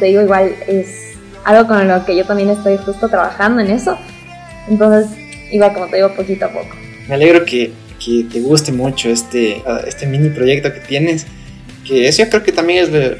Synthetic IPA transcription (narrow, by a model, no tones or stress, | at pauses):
t̪e̞ðiɣo̞iɣwales | a̰lɣo̞konloke̞ʝo̞t̪ambje̞nest̪ojispwest̪ot̪ɾaβa̰xand̪o̞e̞ne̞so̞ | ent̪o̞nse̞s | iɣwalko̞mot̪e̞ðiɣopo̞kit̪oapo̞̰ko̥ | meale̞ɣɾoke | ket̪e̞ɣust̪emut͡ʃo̞est̪eest̪emĩnipɾo̞ʝe̞k̚t̪o̞ket̪je̞nes | keesojokɾe̞oket̪ambjenezðe